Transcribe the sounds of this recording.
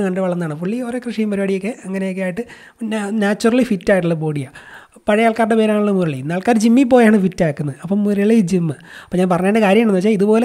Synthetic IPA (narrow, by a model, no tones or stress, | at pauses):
kɐɳɖɨʋɐɭːɐnːaːɳɨpuɭːio̞ːɾekrɨʂijumːɐɾubaːɽijokːeʔɐŋːɐnejokːeaːjiʈːɨ | naːt͡ɕːurɐɭifitːaːjiʈ̬ːuɭːɐbo̞ːɽija | pɐɻɐjaːɭkaːɾɳɖepeːɾaːŋːɭuːmuɾɐɭijnːaːɭkaːɾd͡ʑimːip̬ːo̞ːjaːɳɨfitːaːkːunːɐðɨɐpːommuɾɐɭijd͡ʑimːɨɐpːoːɲaːnpɐrɐɲːaːɾɳɖekaːɾjɐmaːɳenɨʋɐt͡ɕːaiðupo̞ːle